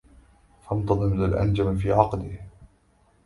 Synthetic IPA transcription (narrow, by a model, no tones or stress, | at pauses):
fɑnt̪ˤɑd̪ˤɨmɪnalʔa̰nd͡ʒamfiːʕɑqd̪ɪh